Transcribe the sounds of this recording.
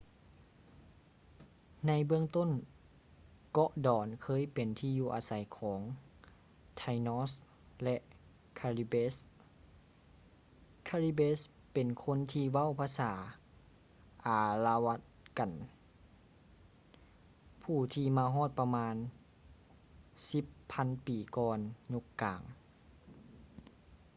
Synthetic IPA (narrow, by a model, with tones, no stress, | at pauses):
na˧˥jbɯ˧əŋt̪o˧˥˨n | kɔ˧ʔdɔː˨˩˦nkʰɤː˧˥˨jpe˨nt̪ʰiː˧juː˧ʔaː˨˦sa˨˦jkʰɔː˩˦ŋ | t̪ʰa˧jnɔː˧˥s | lɛ˧ʔ | kʰa˧li˧beː˧˥s | kʰaː˧liː˧˥beː˧˥s | pe˨˩nkʰo˧˥˨nt̪ʰiː˧ʋa˧˥˨wpʰaː˧saː˩˦ | ʔaː˨˩la˧wa˧˥t̪̚ka˨n | pʰuː˧˩t̪ʰiː˧maː˧ɦɔː˥˩t̪̚pa˧maː˧˥n | si˧˦pʰːa˧˥˨npiː˨˩kɔː˧nɲu˧˦kːaː˨˩ŋ